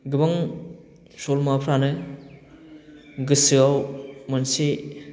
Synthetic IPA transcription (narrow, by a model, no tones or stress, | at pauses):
ɡɯbaŋ | solmapʰɾanɯ | ɡɯsɯawmɯnsi